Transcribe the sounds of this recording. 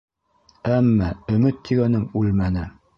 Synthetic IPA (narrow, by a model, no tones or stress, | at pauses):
æmːæɵ̆mɘt̪ːiɡænɘŋʉlmænɘ